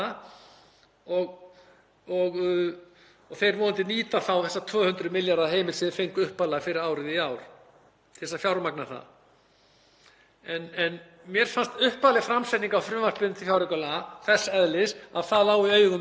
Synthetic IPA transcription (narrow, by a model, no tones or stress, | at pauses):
a | ɔɣ | ɔɣ | ɔɣθejɾvɔːʏnt̪ɪniːt̪aθawθɛsːat̪ʰvœːhʏnt̪ɾʏmɪljaɾaðɦeːjmɪlsɪðɪfejŋkʏhpalafɪɾɪɾaːwɾɪðiaːwɾ̥ | θɛsːafjawɾmaknḁθa̰ | ɛnɛn | mjɛɾ̥fanst̪ʏhpaːlɪɣfɾamsɛt̪iŋkawfɾʏvaspɪʏt̪ʰɪ̥fjawɾɪkœlaθɛsaɛðlɪsaðθaðlaːwiœːɥɣʏm